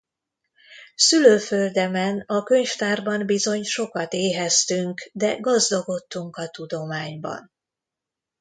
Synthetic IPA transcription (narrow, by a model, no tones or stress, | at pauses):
syløːfø̞ld̪ɛmɛnɒkø̞ɲft̪aːrbɒmbizo̞ɲʃo̞kɒt̪eːɦɛst̪yŋkd̪ɛɡɒzd̪oɡo̞t̪ːuŋkɒt̪ud̪o̞maːɲbɒ̰n